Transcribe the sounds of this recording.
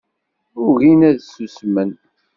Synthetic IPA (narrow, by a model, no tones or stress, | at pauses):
ʊʝinæðsusmən